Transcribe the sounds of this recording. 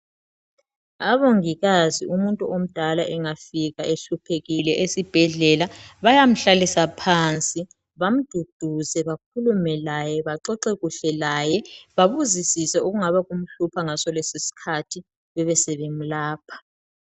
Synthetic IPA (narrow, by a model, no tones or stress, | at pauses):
aβoŋiɣaziumuntʼuʔom̩d̥ʱalaʔɛŋafiɣaʔeɬupʰeɣilɛʔesib̥ʱɛɮɛlaβajam̩ɬalisapʰant͡sʼi | βam̩d̥ʱud̥ʱuzɛβak̚ʰulumɛlajɛβaǁɔǃɛɣuɬɛlaːjɛβaβuzisisɛoɣuŋaβaɣum̩ɬupʰaŋasɔlesisi̥kʰatʰi | βɛβɛsɛβem̩laːpʰḁ